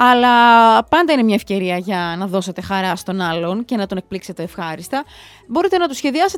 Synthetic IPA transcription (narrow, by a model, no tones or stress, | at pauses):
ɐlɐpɐnd̪ɐinemɲɐefce̞ɾiɐʝɐnɐðo̞se̞t̪e̞xɐɾɐst̪o̞nɐlo̞nce̞nɐt̪o̞nek̚plikse̞t̪e̞ːfxɐɾist̪ɐ | bo̞ɾit̪e̞nɐt̪usçe̞ðiɐse